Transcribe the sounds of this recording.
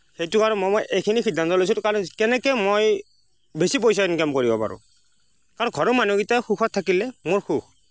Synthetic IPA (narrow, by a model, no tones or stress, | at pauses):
xejtukaɹɔmojmojʔejkʰinixidʱant̪ɔlojs̬utkaɹɔnkɛnɛkɛjmoj | besip̬ojs̬ainkamkoɹibɔpa̰ɹʊ̰̃ | kaɹɔnɡʱɔɹɔmanuɡitaxukʰɔt̪ʰːakilɛmoɹxuxʰ